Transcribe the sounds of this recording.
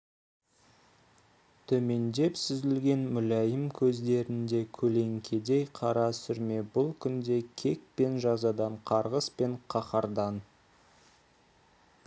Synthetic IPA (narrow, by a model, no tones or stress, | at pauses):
t̪ʰɵme̞nd̪e̞psʏzɪlɡʲe̞nmʏlæjəmkʲʰɵzd̪e̞ɾɪnd̪e̞kʲʰɵle̞ŋkʲʰe̞d̪e̞jqʰɑɾɑsʏɾme̞bʊlˠkʲʰʏnd̪e̞kʲʰe̞k̚pe̞nʒɑzɑd̪ɑɴqʰɑɾʁəspe̞ɴqʰɑqɑɾd̪ɑn